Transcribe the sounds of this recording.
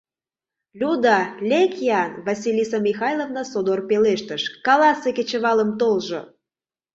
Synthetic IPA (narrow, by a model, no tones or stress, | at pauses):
lʲud̪ɑlʲekjɑnvɑsʲilʲisɑmʲixɑjlˠovnəsod̪orpeleʃt̪əʃkɑlɑseket͡ɕə̆βɑləmt̪olʒo̰